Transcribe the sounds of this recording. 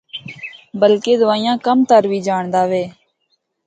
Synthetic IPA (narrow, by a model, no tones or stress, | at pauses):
bəlkeːd̪ʊʋaːijãːkəmt̪əɾʋiːd͡ʒaːɳd̪aːʋeː